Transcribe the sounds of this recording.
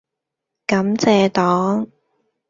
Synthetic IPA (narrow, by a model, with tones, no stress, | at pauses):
kɐ˨˥mt͡sɛː˧t̪ɔː˨˥ŋ